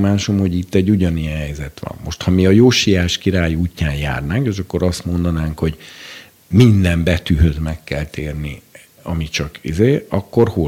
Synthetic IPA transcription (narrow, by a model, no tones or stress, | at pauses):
maːʃomho̞ɟit̪ːɛɟːuɟɒnijɛnɦɛjzɛt̪ʋɒ̰mːo̞ʃt̪hɒmiɒjoːʃijaːʃkiɾaːjuːcːaːnja̰ːrnaːŋkeːʃɒkːo̞ɾɒst̪mo̞nd̪ɒnaːŋkho̞ɟ | mind̪ɛmbɛt̪yɦø̞zmɛkːɛlt̪eːrni | ɒmit͡ʃɒkḭzeːɒkːo̞rho